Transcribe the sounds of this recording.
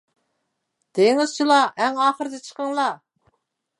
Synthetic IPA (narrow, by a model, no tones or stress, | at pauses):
d̪̥eŋɪz̥t͡ʃʰilˠɑʔæŋɑːχəɾɨd̪ɪt͡ʃʰə̥qəŋlˠɑ